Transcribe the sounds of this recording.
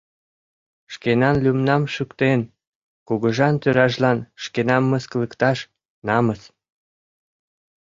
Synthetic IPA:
ʃkenɑnlʲymnɑmʃykt̪en | kuɣəʒɑnt̪øɾɑʃlɑnʃkenɑmːəskələkt̪ɑʃ | nɑməs

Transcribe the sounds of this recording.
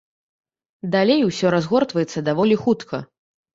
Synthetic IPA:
d̪alʲejusʲɔɾazɣɔrt̪vɐjɛt̪sːɐd̪avɔlʲixut̪kʰɐ

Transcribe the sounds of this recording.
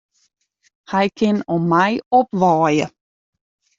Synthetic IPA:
hɛjkʰɪnɔmːɛjɔp̚ʋɑːjə̰

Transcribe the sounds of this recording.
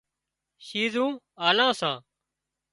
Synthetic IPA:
ʃiːzũː | aːlãːsãː

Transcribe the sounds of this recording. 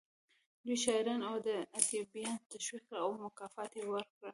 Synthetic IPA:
d̪wiʃɑɪɾɑnawd̪əat̪ibijɑnt̪aʃwiq̚ɾaawmʊkɑfɑt̪ewəɾkɽa

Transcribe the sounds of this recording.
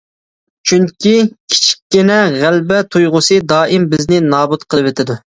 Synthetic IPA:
t͡ʃʰyŋkʲikʲʰi̥t͡ʃʰi̥kʲːinɛʁælbɛt̪ʰujʁʊsɨd̪ɑːʔimbɪznɪnɑːbut̪qʰəlˠɨvet̪ʰɪd̪u

